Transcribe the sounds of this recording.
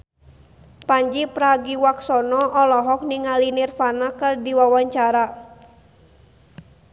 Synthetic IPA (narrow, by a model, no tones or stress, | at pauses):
paɲd͡ʒipɾaɡiwaksɔnɔʔɔlɔɦɔk̚niŋalinirfanakɨrdiwawaɲt͡ʃaɾa